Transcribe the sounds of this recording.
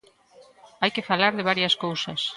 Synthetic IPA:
ajkɪfalaɾðɪβ̞aɾjɐskowsɐs

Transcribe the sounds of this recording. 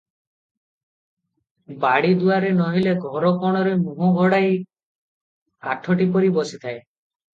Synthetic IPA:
baɽid̪uaɾenɔɦileɡʱɔɾɔkɔɽ̃ɔɾemuɦuɡʱɔɽaj | aʈʰɔʈipɔɾibɔsit̪ʰae

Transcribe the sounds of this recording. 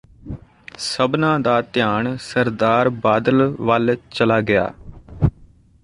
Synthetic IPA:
səbnãːd̪aːt̪ɪjaːɳsəɾd̪aːɾbaːd̪əlʋəlt͡ʃəlaːɡɪja̰ː

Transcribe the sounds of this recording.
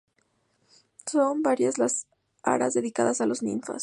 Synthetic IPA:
so̞mbaɾjazlas | a̰ɾazðe̞ðikaðasalo̞znḭɱfa̰s

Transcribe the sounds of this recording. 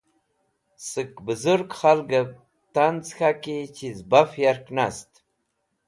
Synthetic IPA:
səkbəzuɾɡχalɡə | t̪ant͡sxakit͡ɕizbafjaɾknast̪

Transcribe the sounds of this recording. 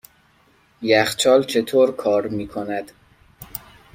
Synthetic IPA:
jæxt͡ʃʰɒːlt͡ʃʰe̞t̪ʰoːɾkʰɒːɾmiːkʰonæd̪̥

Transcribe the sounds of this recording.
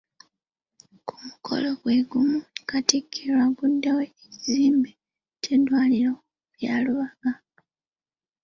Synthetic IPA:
kʰu̥mukʰo̞̰lo̞ɡwe̞ɡumukatikʰːiɾwaɡudːewe̞ːciziːmbe | tʰedwaːliɾo | uβjaːluβaɡ̥a

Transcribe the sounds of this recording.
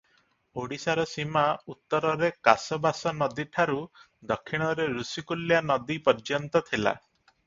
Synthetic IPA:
oɽisaɾɔsimaut̪ːɔɾɔɾeka̰sɔbasɔnɔd̪iʈʰaɾu | d̪ɔkʰːiɽ̃ɔɾeɾusikuljanɔd̪ipɔɾd͡ʒɔnt̪ɔt̪ʰila̰

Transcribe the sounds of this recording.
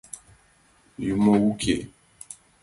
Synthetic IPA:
jumɔwukʰḛ

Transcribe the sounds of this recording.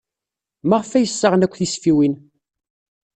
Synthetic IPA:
maʁəfæjəsːəʁənækʷːθisfiwin

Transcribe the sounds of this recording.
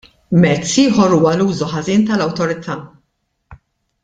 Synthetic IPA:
mɛt͡sːiːħɔɾuːwɐluːzuħɐziːnt̪ɐlɐwt̪ɔɾɪt̪ʰɐː

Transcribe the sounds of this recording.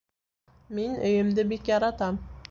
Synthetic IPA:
menɵjɪmd̪ɪbekʲjɑɾɑt̪am

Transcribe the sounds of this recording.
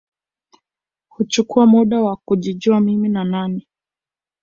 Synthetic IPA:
hut͡ʃukuamuɗawakuʄid͡ʒuamiminanani

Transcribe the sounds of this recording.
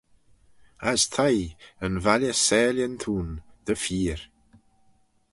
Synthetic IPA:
ast̪ʰajənvaljəsɛːljənt̪ʰuːnd̪̥əfiːɾ

